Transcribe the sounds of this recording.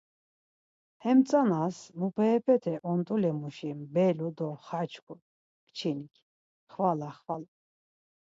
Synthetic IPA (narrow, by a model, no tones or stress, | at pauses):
hɛmt͡sʼanasmupʰɛːpʰɛt̪ʰɛʔɔnt̪ʼulɛmuʃimbɛlud̪ɔχat͡ʃʰkʰu | kʰt͡ʃʰinikʰ | χvalaχval